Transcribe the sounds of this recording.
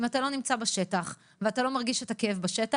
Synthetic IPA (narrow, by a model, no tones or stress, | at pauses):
imatalonimt͡sabaʃe̞taχ | veatalo̞maʁɡiʃetakeevbaʃeta